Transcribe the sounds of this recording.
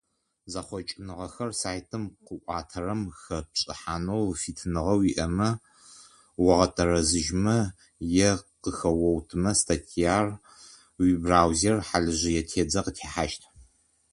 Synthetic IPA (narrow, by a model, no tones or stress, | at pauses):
zaχʷɔt͡ʃʼɪnɨʁɐxɐrsaːjtʰɨmqəʔʷɑːtʰɐrɐmxɐpɕʼɪ̰ħaːnowfiːtʰɨnɨʁɐwiʔɐmɐ | wɐʁɐtʰɐrɐzɨʒmɐ | jɛqəxɐwɐwtʰɨmɐstʰatʰijaːr | wibraːwzerħaɮɨʑɪjɛtʰeːd͡zɐqətʰeːħaʃtʰ